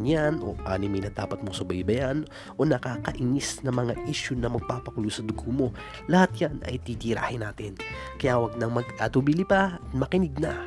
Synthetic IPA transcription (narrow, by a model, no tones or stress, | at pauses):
njanʔo̰ʔa̰ːnɪmɐjnɐd̪aːpɐt̪̚mosʊbɐjbɐjan | ʔo̞nɐkaːkɐʔɪŋɪsnɐŋmɐŋaʔiːʃʊnɐmɐɡ̚paːpɐkʊlusɐd̪ʊɡomo̞ | lɐhat̪̚janɐ̰jt̪iːt̪iɾa̰ːhɪnaːt̪ɪnkɐjawɐɡ̚nɐŋmɐɡat̪ubilipat̪mɐkɪnɪɡ̚na